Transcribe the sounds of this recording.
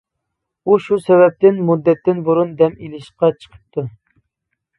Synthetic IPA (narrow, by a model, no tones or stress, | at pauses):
uʃusɛvɛp̚t̪ɪnmud̪ːɛt̪ːɪnbuɾund̪ɛmilɪʃqɑt͡ʃʰə̥qʰə̥p̚t̪ʰu